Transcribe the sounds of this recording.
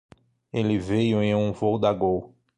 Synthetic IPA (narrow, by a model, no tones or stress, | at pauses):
elɪvejʊẽj̃ũvowd̪aɡow